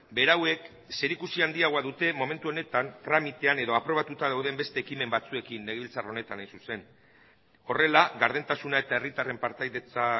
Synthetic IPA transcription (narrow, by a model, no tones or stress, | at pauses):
be̞ɾawe̞k | se̞ɾikusiand̪iaɣ̞o̞aðut̪e̞mo̞me̞nt̪uone̞t̪ant̪ɾamit̪e̞ane̞ðo̞apɾo̞β̞at̪ut̪aðawðe̞mbe̞st̪e̞ːkime̞mbat͡sue̞kinːe̞ɣβilt͡saro̞ne̞t̪anːajsuse̞n | o̞re̞laɣaɾðent̪asunae̞t̪ae̞rit̪are̞mpaɾt̪ajðet͡sa